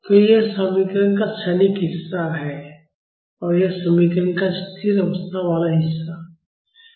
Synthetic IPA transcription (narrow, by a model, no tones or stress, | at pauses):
t̪ojesəmikɾənkaʃɐnikɦɪsːaɦɛ | ɔːɾjesəmikɾənkast̪ʰiɾɐʋəst̪ʰaʋaːlaɦɪsːa